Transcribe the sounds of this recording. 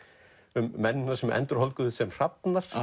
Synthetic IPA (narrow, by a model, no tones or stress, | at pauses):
ʏmːɛnːɪnaɾsɛmɛ̰nt̪ʏɾ̥hɔlkʏðʏsɛmr̥apnaɾ̥